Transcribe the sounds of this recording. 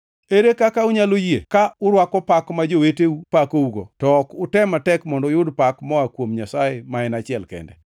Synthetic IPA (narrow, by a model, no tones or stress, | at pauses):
eɾekakaʊɲalojekaʊɾwakɔpakmad͡ʒoweteupakouɡo̰tɔːkʊtɛmatɛkmɔndɔjʊdpakmɔakwomɲasajemaɛnat͡ʃɪɛlkɛ̰ndɛ